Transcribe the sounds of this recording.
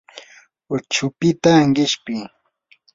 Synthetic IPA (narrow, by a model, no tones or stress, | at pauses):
ʊt͡ʃʊpɪt̪aŋɢɪʃpɪ